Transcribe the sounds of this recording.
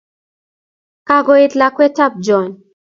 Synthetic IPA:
ka˨ɡɔ˨e˦tla˨kwɛ˦ta˦p̚d͡ʒɔ˨n

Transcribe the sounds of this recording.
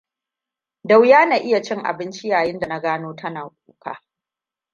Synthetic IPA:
da˦˨wjaː˦na˨ʔɪ˦ja˨t͡ʃɪ˦ŋʔa̰˨bɪ˦nt͡ʃi˦jaː˨jɪ˦nda˨na˦ɡaː˦noː˦tʰɐ˦naː˨kʷʼuː˨kʰa̰ː˦

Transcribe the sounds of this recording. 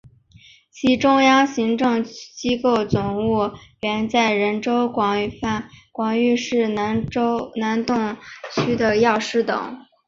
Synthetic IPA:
t͡ɕʰi˧˥ʈ͡ʂʊ˥ŋjɑ˥ŋɕi˧˥ŋʈ͡ʂɤ˥˧ŋt͡ɕi˥ko˥˩ʊt͡sʊ˨˩ŋu˥˩ɥɛ˧˥nt͡sa˥˩ɪɻə˧˥nʈ͡ʂo˥ʊkwɑ˨˩ŋy˨˩fa˥˩nkwɑ˨˩ŋy˥˧ʂɻ̩˥˩˧na˧˥nt̪ʊ˥˩ŋt͡ɕʰy˥d̪ə˨jɑ˥˩ʊʂɻ̩˥t̪ɤ̰˨˩˦ŋ

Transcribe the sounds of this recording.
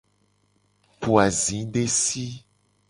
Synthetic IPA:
pu˨a˨zĩ˨˦ɖe˦si˦

